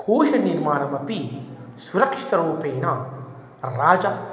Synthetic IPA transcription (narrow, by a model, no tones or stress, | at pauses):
kʰuːʃɐniɾmaːnɐmɐpisuɾɐkʂi̥t̪ɐɾoːpeːnaː | ɾaːd͡ʒa